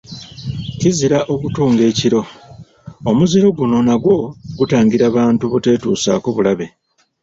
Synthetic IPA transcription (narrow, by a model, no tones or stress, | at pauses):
ciziɾaʔo̞βutuːŋɡe̞ːciɾo̞ | omuziɾo̞ɡuno̞naɡwo̞ɡutaːŋɡiɾaːβaːntuβute̞ːtuːsa̰ːkoβulaβe̞